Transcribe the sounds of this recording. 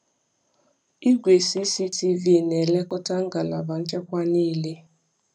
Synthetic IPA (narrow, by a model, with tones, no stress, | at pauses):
i˦ɡʷe˨si˦si˦ti˦vi˦˨ne˨le˦kɔ˦ta˦ŋ̩˦ɡa˨la˨ba˨n̩˦t͡ʃe˦kʷa˦niː˦le˦